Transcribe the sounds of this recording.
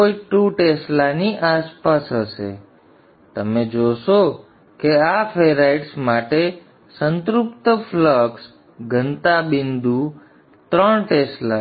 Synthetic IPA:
koiʈuʈeslaniʔaspasɦəʃḛ | t̪əmed͡ʒoʃo | keafʰeɾaiʈsmaʈe | sənt̪ɾʊpt̪əfləks | ɡʱənt̪abind̪u | t̪ɾəɳʈesla

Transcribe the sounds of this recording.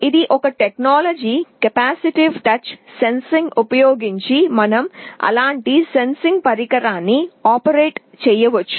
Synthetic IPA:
id̪iʔɔkɐʈeknaːlɐd͡ʒikɐpaːsiʈiʋʈɐt͡ʃsensiŋɡupɐjoːɡiɲt͡ʃimɐnɐmɐ̰laːɳʈisensiŋɡpɐɾikɐɾaːnːiaːpɐɾeːʈ | t͡ʃɛjːɐʋɐt͡ʃːu̥

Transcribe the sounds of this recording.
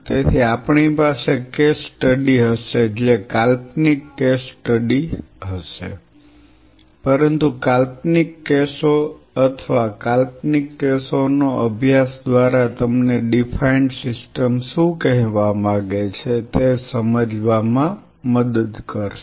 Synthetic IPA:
t̪et̪ʰiapɳipasekesʈəɖiɦəʃed͡ʒekalpnikːesʈəɖiɦəʃḛ | pəɾənt̪ukalpnikːeso | ət̪ʰəʋakalp̚nikːesonoʔəbʱjasd̪ʋaɾat̪əmneɖifʰaiɳsɪsʈəmʃũkɛɦʋamãɡet͡ʃʰet̪esəməd͡ʒʋamã | məd̪əd̪kəɾʃ

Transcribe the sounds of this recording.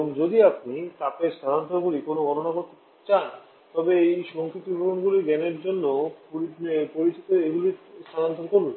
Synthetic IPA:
oŋd͡ʑod̪iapnit̪apest̪ʰaɾant̪oɡulikonoɡʱɔnonaɡot̪ʰ | t͡ɕan | t̪ɔbeejʃɔŋkʰɾit̪ibʱoɾonɡuliɡɛneɾd͡ʑonːopoɾipoɾit͡ɕot̪oeɡulist̪ʰaɾant̪oɾkoɾlo

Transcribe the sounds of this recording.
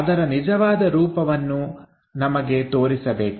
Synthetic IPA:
ɐd̪ɐɾɐnid͡ʒɐʋaːd̪ɐɾuːpɐʋɐnːu | nɐmɐɡe̞t̪o̞ːɾisɐbeːk

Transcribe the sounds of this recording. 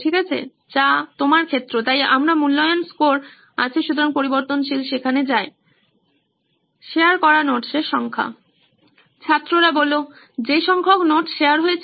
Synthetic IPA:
ʈʰikat͡ɕʰḛ | t͡ɕat̪omaɾkʰet̪ːɾot̪ajamɾamulːɔjonskoɾ | a̰t͡ɕʰeʃut̪oɾaŋpoɾiboɾt̪onʃilʃekʰaned͡ʑae | ʃeaɾkɔɾanoʈʃeʃɔŋkʰa̰ | t͡ɕʰat̪ːɾoɾabolo | d͡ʑeʃɔŋkʰoknoʈʃeaɾɦoet͡ɕʰ

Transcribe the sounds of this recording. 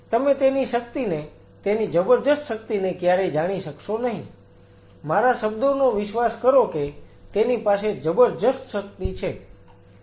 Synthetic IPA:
t̪əmet̪eniʃək̚t̪ine | t̪enid͡ʒəbəɾd̪əst̪ʃək̚t̪inekjaɾed͡ʒaɽ̃iʃəkʃonəɦĩ | maɾaʃəbd̪onoʋɪʃʋaskəɾoke | t̪enipased͡ʒəbəɾd̪əst̪ʃək̚t̪it͡ʃʰe

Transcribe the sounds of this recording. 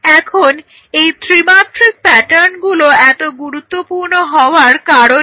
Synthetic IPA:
ɛkʰon | ejt̪ʰɾimaʈɾik̚pɛʈaɾnɡuloɛt̪oɡuɾut̪ːopuɾnoɦɔoaɾkaɾo

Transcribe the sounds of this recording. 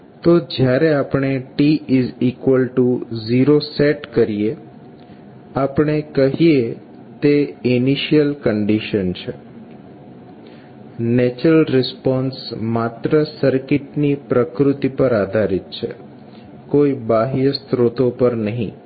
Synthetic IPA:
t̪od͡ʒjaɾeapɳ̃eʈiizikʋəlʈuziɾoseʈkəɾije | apɳ̃ekəɦije | t̪einiʃijəlkəɳɖiʃənt͡ʃʰe | nɛt͡ʃɾəlɾɪspɔnsmat̪ɾəsəɾkɪʈnipɾəkɾut̪ipəɾad̪ʱaɾit̪̚t͡ʃʰḛ | koibaɦijəst̪ɾot̪opəɾnəɦḭ̃

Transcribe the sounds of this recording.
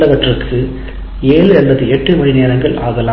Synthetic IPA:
ɐʋɐʈrɯkʰɯ | eːlɯɛlbɐðɯɛʈːɯmɐɳineːɾɐŋɡɐɭʔa̰ːɣɐlaː

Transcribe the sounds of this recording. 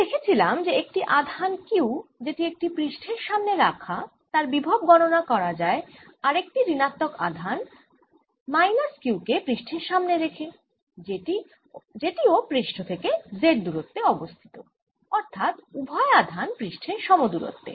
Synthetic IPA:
d̪ekʰet͡ɕʰilamd͡ʑeek̚ʈiʔad̪ʱankewd͡ʑeʈiek̚ʈipɾiʃʈʰeɾʃamneɾakʰa | t̪aɾbibʱaob̚ɡɔɽonakɔɾad͡ʑae | aɾek̚ʈiɾinat̪ːoka̰d̪ʱan | majnaskewkepɾiʃʈʰeɾʃamneɾekʰe | ei | d͡ʑeʈiopɾiʃʈʰot̪ʰekezeʈ̚d̪uɾot̪ːeɔbost̪ʰi̥t̪o | ɔɾt̪ʰat̪ubʱɔead̪ʱanpɾiʃʈʰeɾʃɔmod̪uɾo̰t̪ːḛ

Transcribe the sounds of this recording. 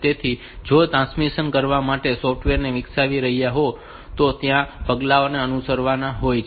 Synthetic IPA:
t̪et̪ʰi | d͡ʒot̪ɾãnsmisənkəɾʋamaʈesɔfʰʈʋeɾneʋɪksaʋiɾəɦijaɦo | t̪ot̪jãpəɡlaoneənusəɾʋanaɦojt͡ʃʰ

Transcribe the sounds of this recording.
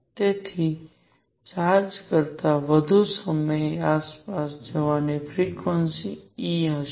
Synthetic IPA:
t̪et̪ʰi | t͡ʃad͡ʒkəɾt̪aʋəd̪ʱusəməjaːspasd͡ʒəʋanefʰɾikʋənsiiɦə

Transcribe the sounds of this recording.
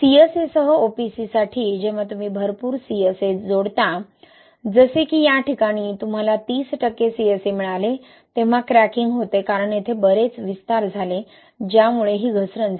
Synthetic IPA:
siəsesəɦəopisisaʈʰiːd͡ʑeʋ̤at̪um̤iːbʱəɾpuːɾsiəsed͡zoɽt̪a | d͡zəsekiːjaʈʰikaɽ̃iːt̪um̤alat̪iːsʈəkːesiesemiɭale | t̪ẽʋ̤akɾækiŋɡɦot̪ekaɾəɳjet̪ʰebəɾet͡sʋist̪aɾd͡zʱale | d͡ʑjamuɭeɦiːɡʱəsɾəns

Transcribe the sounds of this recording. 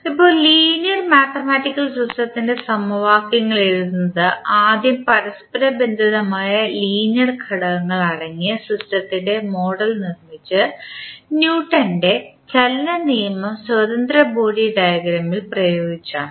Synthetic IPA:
ipːo̞ːliːnjɐrmaːt̪ɐmaːʈːikːɐlsusʈɐt̪ːinde̞sɐmɐʋaːkːiŋːɐɭeɾuunːɐðɨaːd̪ʱjɐmpɐɾɐspɐɾɐbe̞nd̪ʱiðɐmaːjɐliːnjɐrkʰɐɽɐʋɐŋːɐɭɐɻɐŋːijɐsusʈɐt̪ːinde̞mo̞ːɽɐlnirmit͡ɕːɨ | njuːʈːɐnɖe̞t͡ɕelːɐnijɐmɐmswɐðɐnd̪ɾrɐboːɽiɖɐjɐɡɾɐmːilprɐjo̞ːɡit͡ɕːa̰ːɳɨ

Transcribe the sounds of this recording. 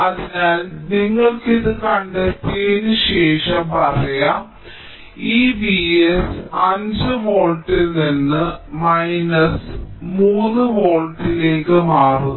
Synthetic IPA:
ɐðinaːlniŋːɐɭkiðɨkɐɳɖet̪ːiɣenuɕe̞ːʂɐpɐrɐjɐ | iːbiesɐɲd͡ʑɨʋoːlʈːilninːɨmɐjnɐsmuːnːɨʋo̞ːlʈːile̞ːkːɨmaːru

